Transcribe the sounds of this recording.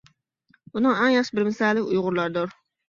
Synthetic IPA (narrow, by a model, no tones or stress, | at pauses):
unɨŋæŋjɑχʃɪbɪɾmɪsɛlːɪkʲujʁʊɾlˠɑɾd̪ʊɾ